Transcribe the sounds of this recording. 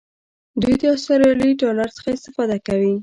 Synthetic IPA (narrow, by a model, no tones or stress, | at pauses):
d̪ujd̪əast̪aɾɑliʈolaɾsə̥xaɪst̪ɪfɑd̪akawi